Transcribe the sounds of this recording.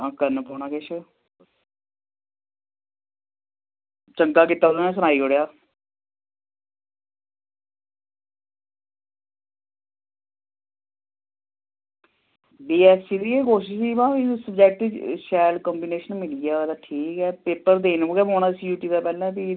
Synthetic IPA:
ãːkəɾnpoːnaːkɪʃ | t͡ʃəŋkaːkɪt̪ːaːd̪nɛ̃ːs̬ʊnaːiːoɽejaː | biːɛːsiːd̪iːekoːʃɪʃsiːʋãːisəbd͡ʒɛːk̚ʈʃɛːlkɔːmbiːneːʃənmɪliaːod̪aːʈʰiːkɛːpeːpəɾd̪eːnoɡɛːboːnãːsjuːʈiːd̪aːpɛːlɛ̃ːt̪i

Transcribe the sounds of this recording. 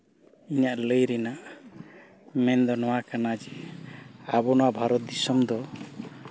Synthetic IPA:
iɲaʔləjɾɛnaʔ | mɛnd̪ɔnɔwakanad͡ʒɛ | abɔnɔwaʔbʱaɾɔt̪̚d̪isɔmd̪ɔ

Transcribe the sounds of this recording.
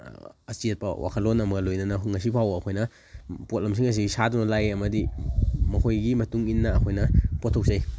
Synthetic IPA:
ɐsiet̚pɐ̰wʔa̰kʰɐtlonɐmɐɡɐlojnɐnɐŋɐsipʰawɐːkʰojnɐ | pot̚lɐms̬iŋɐs̬iɡisadunɐlajɐmɐdimɐhojɡimɐtuŋinːɐːkʰojnɐpɔtʰok̚saj

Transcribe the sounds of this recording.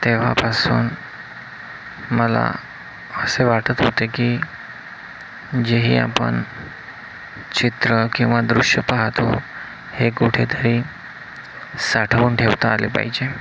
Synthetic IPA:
t̪eʋ̤a̰pasuːn | məla̰ | əseʋaʈət̪ɦot̪ekiː | d͡ʑeɦiːa̰pə̰ɳ | t͡ɕit̪ɾəkĩw̃ʋad̪ɾuʂjəpaɦt̪o | hekuʈʰet̪ʰəɾiː | saʈʰəʋuːnʈʰeʋt̪aːlepa̰ɦid͡ʑe

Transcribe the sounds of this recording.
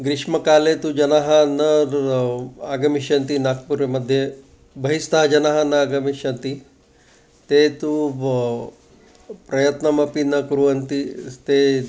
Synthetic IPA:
ɡɾɪʃmɐkaːlet̪ud͡ʒɐnaːɦɐnɐɾ | aːɡɐmiʃɐnt̪inaːk̚puɾʋemɐd̪ʱje | bɐɦist̪aːɦd͡ʒɐnaːɦɐnɐaːɡɐmiʃɐnt̪i | t̪et̪u | pɾɐjɐt̪nɐmɐpinɐkuɾuɐnt̪it̪e

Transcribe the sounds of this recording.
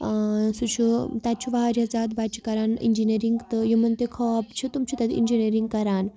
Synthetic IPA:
sut͡ʃʰut̪ʲat̪̚t͡ʃʰuʋaɦɾɐd͡zad̪bat͡ʃʰi̥kɐɾanḭnd͡ʒiniɾiŋɡt̪ɨjimɐnt̪ekʰɔapt͡ʃʰit̪umt͡ʃʰut̪ʲad̪ḭnd͡ʒineɾiŋɡkɐɾaːn

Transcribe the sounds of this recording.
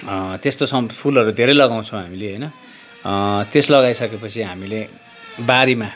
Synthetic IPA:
t̪est̪osʌpʰulʌɾud̪ʱeɾʌjlʌɡaw̃t͡sʰʌw̃ɦamileɦʌjnʌ | t̪eslʌɣajsʌkepʌt͡sʰiɦamile | baɾema

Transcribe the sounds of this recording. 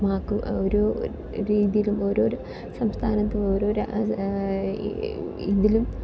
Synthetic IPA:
maːkːumoɾu | ɾiːðijilumo̞ːɾoːɾu | sɐmst̪ʰaːnɐt̪ːeoːɾoːɾu | iðilum

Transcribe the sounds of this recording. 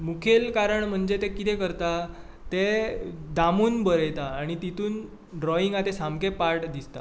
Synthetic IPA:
mukʰelkaɾəɳm̤əɳd͡zet̪ekit̪ɛkəɾt̪a | t̪ed̪amuːnbəɾejt̪aːɽ̃it̪it̪uːn | ɖɾɔiŋɡat̪esamkepaɾʈd̪ist̪a̰

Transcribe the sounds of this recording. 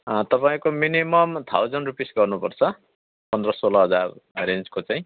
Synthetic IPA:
t̪ʌpaĩkominimʌmt̪ʰawd͡zʌnrupisɡʌrnupʌrt͡sʰʌ | pʌnd̪rʌsolʌɦʌd͡zarɾẽnd͡zkot͡saĩ

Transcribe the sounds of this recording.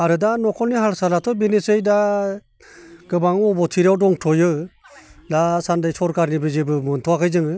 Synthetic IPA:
aɾɯdanɔkʰɔlniɦalsalatʰɔbinisɯjda | ɡ̥ɯbaŋɔbɔtʰiɾawdɔŋtʰɔjɯ | dasandajsɔɾkaɾnibɯzɯbɯmɯntʰɔakʰɯjzɯŋɯ

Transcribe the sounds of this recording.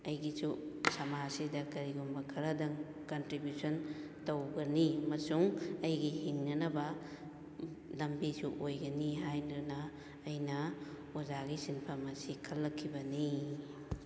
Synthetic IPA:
ɐjɡisusɐmasidɐkɐɾiɡumbɐkʰɐɾɐdɐŋ | kɐntɾibjuson | tɐwɡɐniɐmɐsuŋɐjɡihiŋnɐnɐbɐ | lɐmbisuʔojɡɐniɦajnunɐː | jnɐ | ozaɡisinpʰɐmɐsikʰɐlːɐkʰːibɐni

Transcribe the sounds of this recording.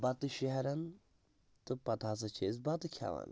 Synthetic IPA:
bɐt̪ɨʃeɦɐɾɐn | t̪ɨpɐt̪ʰaːs̬ɐt͡ʃʰeːzbɐt̪ɨkʰa̰ːʋa̰n

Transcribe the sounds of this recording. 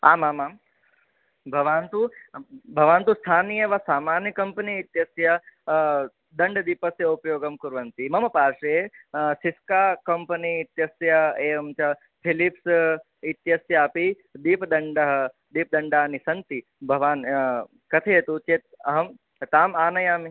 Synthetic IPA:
a̰ːmaːmaːm | bʱɐʋaːnt̪ubʱɐʋaːnt̪ust̪ʰaːnijɐʋasaːmaːnjɐkɐmpəniːt̪jɐsjɐ | d̪ɐɳɖd̪ipəsjɐupjoːɡɐmkuɾʋɐnt̪imɐmɐpaːɾʂɐesiskaːkɐmpəniːt̪jɐsjɐeːɐmt͡ʃɐ | pʰilips | it̪jɐsjɐaːpi | d̪iːpd̪ɐɳɖɐɦɐ̆ | d̪iːp̚d̪ɐɳɖaːnisɐnt̪i | bʱɐʋaːn | kɐt̪ʰɐet̪ut͡ʃeːt̪̚ɐɦɐm | t̪aːmaːnɐjaːmi

